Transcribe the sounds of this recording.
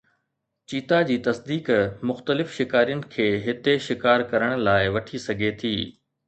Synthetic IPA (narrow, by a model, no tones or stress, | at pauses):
t͡ɕiːt̪ad͡ʑiːt̪ɐsd̪iːkmʊxt̪əlɪfʃɪkaːɾijənɪ̆kʰeːɦɪt̪eʃɪkaːɾkɐɾəɽ̃̆laːɪʋɐʈʰisɐɡʱet̪ʰiː